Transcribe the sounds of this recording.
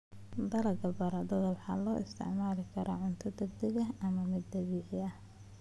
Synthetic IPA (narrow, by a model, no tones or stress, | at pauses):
d̪ɐlɐɡɐbɐɾɐd̪ɐðɐwħɑ̰ːlɔːʔɪst̪ʰɪ̰ʕmaːlɪkʰɐɾʔaːʕʊnt̪ʰɐd̪ɐɡd̪ɐɣɐɐmɐmɪd̪ːɐβiːʕɪɐh